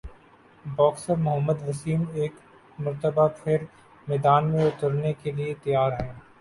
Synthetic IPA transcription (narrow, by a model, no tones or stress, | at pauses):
bɔːksəɾmʊɦəmːəd̪ʋɐsiːmeːk | mɐɾt̪əbapʰɪɾ | mɛːd̪aːnmẽʊt̪əɾnekeliet̪ɐjaːɾɦɛ̃ː